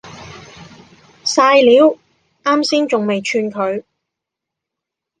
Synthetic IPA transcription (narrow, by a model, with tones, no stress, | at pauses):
saː˧jliː˨˥w | aː˥msiː˥nt͡sʊ˨ŋme˨jt͡ʃʰyː˧nkʰɵ˨˧ɥ